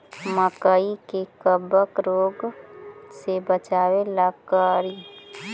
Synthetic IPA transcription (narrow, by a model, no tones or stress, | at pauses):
məkəikekəbəkɾoːɡ | sebət͡ʃaːwelakaːɾi